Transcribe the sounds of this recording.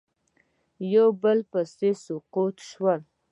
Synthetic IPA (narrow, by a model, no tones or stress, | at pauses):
jowbəlpasesʊqut̪ʃwəl